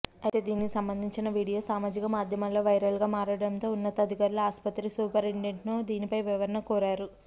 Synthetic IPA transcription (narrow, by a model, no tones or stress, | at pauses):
ɐt̪eːd̪iːnikisɐmbɐnd̪ʱiɲt͡ʃinɐʋiːɽijo̞ːsaːmaːd͡ʒikɐmaːd̪ʱjɐmɐŋlo̞ːʋɐjɾɐlɡaːmaːɾɐɽɐnt̪o̞ːunːɐt̪ɐɐd̪ʱikɐːɾloaːspɐt̪ɾisuːpɐɾeɳɖeɳʈnoːd̪iːnipɐjʋiʋɐɾɐnɐkuːɾaːɾu